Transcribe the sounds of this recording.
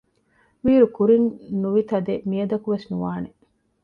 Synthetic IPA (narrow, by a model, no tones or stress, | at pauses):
ʋiːɾukuɾinnuʋit̪ɐd̪emijɐd̪ɐkuʋesnuʋaːne